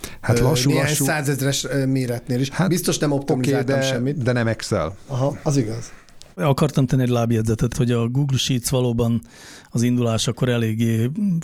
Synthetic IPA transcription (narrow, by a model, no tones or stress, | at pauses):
halɒʃueɦaɲusaːzɛzrɛʃmeːɾɛt̪neːliʃhabist̪o̞ʃnɛmop̚t̪omiizaːtd̪ɔɛmʃɛmːit̪d̪ɛnɛmɛksɛ̰lɒɦɒɒziɡɒz̥ | ɒkɒrt̪ɒmt̪ɛnːiɛɟʲlaːbjɛd̪zɛt̪ɛt̪ho̞ɟɒɡuːɡlʃit̪sʋɒloːbɒn | ɒzind̪ulaːʃɒkːo̞ɾɛleːɡːeː